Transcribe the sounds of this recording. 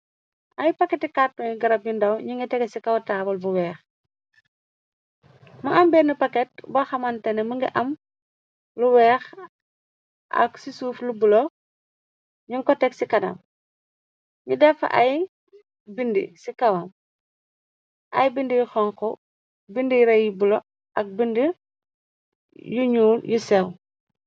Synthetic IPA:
ʔɐjpɐkːetikatːɔːŋiɡɐɾɐb̚jundɐwɲiŋɡɐtɛɡesikɐwtaːbɐlbuwɛːx | mɐʔɐmbɛːnipɐkɛt̚bɐxɐmɐntɛnɛmuŋɡɐ̰ʔɐm | luwɛːx | ʔɐ̰ksisuːflubulo | ɲuŋkɔtɛksikɐdɐ̰m | ɲudɛfa̰ʔaj | bindḭsikɐwam | ʔɐ̰jbindijuxɔŋkɔ | bindijɾɐjibulo | ʔɐk̚bindi | juɲuːljusɛw

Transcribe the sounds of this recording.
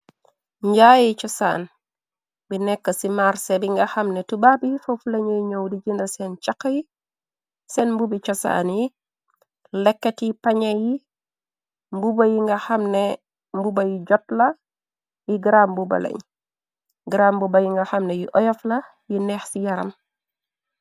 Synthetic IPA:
ɲɟajit͡ʃɔsa̰ːn | binɛkːɐsimaɾsɛbiŋɡɐxɐmnɛtubabijfofulɐɲɛjɲowdiɟindɐsɛnt͡ʃakːɐji | sɛnmbubit͡ʃɔsa̰nji | lɛkːɛtipaɲɐji | mbubɐjiŋɡɐxɐmnɛ | mbubɐjiɟɔt̚lɐ | jiɡiɾambubɐ̰lḛɲ | ɡiɾaːmbubɐjiŋɡaxɐmnɛjiʔɔjɔflɐ | jinɛːxsijɐɾɐ̰m

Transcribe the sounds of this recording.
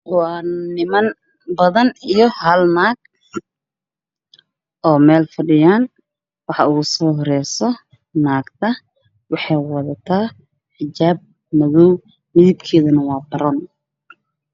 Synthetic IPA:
wɑːnɪmɐn | bɐðɐnijɔhɐlnaːɡ̥̚ | ʔɔːmɛːlfɐɖɪjaːn | wɑħɑuːɣsɔːɦɔɾɛjsɔ | naːɡt̪ʰɐ | wɑħɑjwɑðɐt̪ʰaː | ħɪt͡ʃaːb̚ | mɐɣɔw | mɪðɪb̚kʰɛːðɐnɐwɑːbɐɾɔn

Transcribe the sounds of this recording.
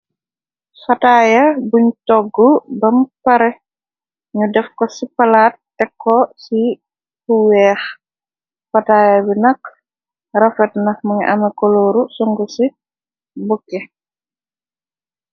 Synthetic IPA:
fɐtaːjɐbuɲtɔɡːɔbɐmpɐɾɛ | ɲudɛfkɔsipɐlaːt̚ːɛkʰːɔsi | huwɛːx | fɐtaːjabinɐk | rɐfɛtnɐmɐɲɛʔɐmɛkɔloːɾusuŋɡusi | bukːɛ

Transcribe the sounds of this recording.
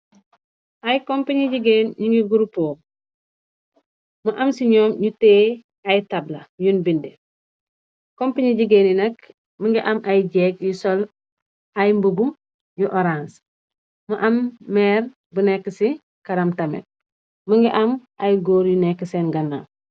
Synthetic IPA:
ʔajkompaɲiɟiɡeːnɲiŋɡiɡuɾupoː | muʔɐmsiɲɔːmɲuteː | ajitablɐjunbinde | kompaɲiɟiɡenjinɐk | məŋɡiʔamʔajɟeːkjusɔl | ajmbubu | juʔoɾãːns | muʔamːɛːɾ | bunɛkːəsi | kɐɾɐmtɐmḛ | muŋɡiʔɐmʔajɡoːɾjunɛkːəseːnɡɐna

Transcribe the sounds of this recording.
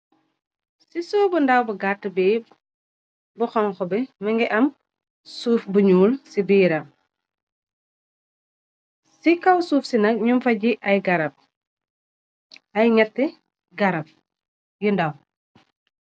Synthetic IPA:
sisɔːbəndɐwbɐɡatːəbɛː | buxɔŋxɔbɛmɐŋɡɛʔɐm | suːfbuɲuːlsibiːɾɐm | sikɐwsuːfsinɐk̚ɲumfɐɟiʔɐjɡɐɾɐp̚ | ʔɐjɲɐtːɛ | ɡɐɾɐp̚ | jundɐw

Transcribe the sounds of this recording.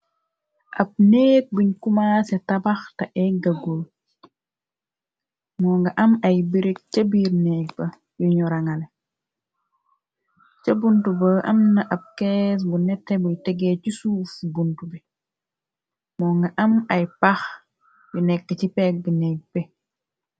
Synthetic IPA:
ʔɐb̚neːk̚buɲkumasɛtɐbɐxtɐʔɛɡɐɡo | mɔːŋɡɐʔɐmɐjbiɾik̚t͡ʃɐbiːɾnɛːk̚bɐ | juɲɔɾɐŋɐle | t͡ʃɐbuntubɐʔɐ̰mnɐʔɐp̚kɛːs̬bunɛtːebujtɛɡɛcisuːfbuntubi | mɔːŋɡɐʔɐmɐjpɐx | bunɛkːət͡ʃipɛːk̚binɛk̚bɛ

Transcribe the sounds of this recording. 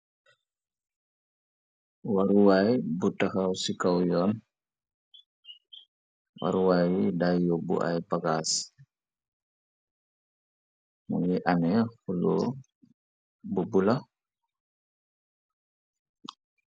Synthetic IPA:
waɾuwajbutːakawsikawjɔn | wa̰ɾuwajdajubṵʔa̰jpaɡas | mṵjɛʔanɛhulṵ | bubula

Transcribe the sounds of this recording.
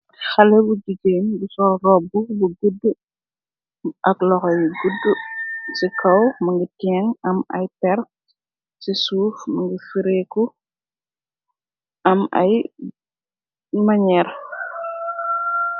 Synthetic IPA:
xɐlɛbud͡ʒid͡ʒeːnbusɔlrɔbubuɡudːə | ʔɐklɔxɔjɡudːəsikʰɐwmɐŋɡitɛŋɐmɐ̰jpɛɾ | sisuːfmɐŋɡifiɾeku | ɐmɐ̰j | mɐɲɛɾ

